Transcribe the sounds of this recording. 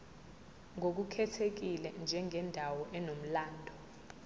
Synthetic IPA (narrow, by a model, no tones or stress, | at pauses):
ŋok̬ukʰɛtʰek̬ilɛnd͡ʒʱɛŋʱɛndʱawɔʔɛnom̩laːndʱɔ